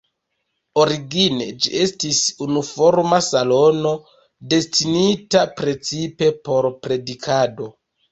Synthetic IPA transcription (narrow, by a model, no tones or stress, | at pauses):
oɾiɡined͡ʒḭe̞stisunufo̞ɾmasalo̞no̞ | de̞stinitapɾe̞t͡sipe̞po̞ɾpɾe̞dikʰado̞